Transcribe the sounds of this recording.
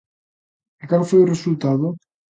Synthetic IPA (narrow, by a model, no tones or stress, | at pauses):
akalfojuresult̪aðʊ